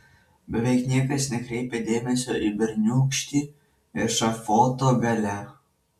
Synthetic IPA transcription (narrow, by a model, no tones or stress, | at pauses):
bʲɛʋʲɛɪknʲiɛkɐsnʲɛkɾʲɛɪpʲed̪ʲeːmʲɛsʲoːʔibʲɛɾʲnʲuːkʃʲt̪ʲiː | ɪɾʃɐfoːt̪oːɡɐlʲæ